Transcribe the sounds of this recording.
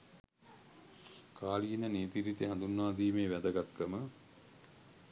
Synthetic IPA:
kʰaːliinəneːt̪iɾit̪eɦand̪unːɐʋaːd̪iːmeːʋæd̪əɡat̪kəmə

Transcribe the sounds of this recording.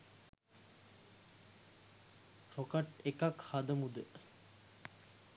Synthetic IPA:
ɾokaʈekakhad̪əmud̪ə

